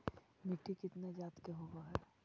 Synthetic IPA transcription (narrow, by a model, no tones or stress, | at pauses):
mɪʈːikɪt̪ned͡ʒaːt̪keɦoɡaɦɛː